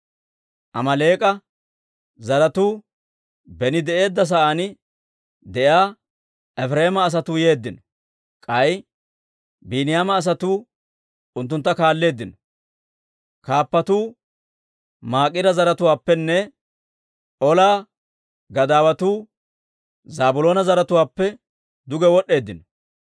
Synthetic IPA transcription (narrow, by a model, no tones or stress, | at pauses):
ʔɐmɐle̞ːkʼɐ | zɐɾɐt̪uː | bɛnɪd̪ɛʔe̞ːd̪ːɐs̬aʔɐnɪ | d̪ɛjaː | ɛfɾeːmɐːs̬ɐt̪uːje̞ːd̪ːɪnɔ | kʼɐj | biːnɪjaːmɐːs̬ɐt̪uː | ʊnt̪̬ːʊnt̪ːɐkaːlːe̞ːd̪ːɪnɔ | kaːpːɐt̪uː | maːkʼɪɾɐzɐɾɐt̪ʊwaːpːɛnːɛ | ʔɔlaː | ɡɐd̪aːwɐt̪uː | zaːbʊlo̞ːnɐzɐɾɐt̪ʊwaːpːɛ | d̪ʊɡɛwɔɗːe̞ːd̪ːɪnɔ